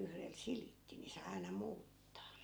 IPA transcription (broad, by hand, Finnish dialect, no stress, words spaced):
yhrel silitːi ni sɑi̯ ɑi̯nɑ muːtːɑː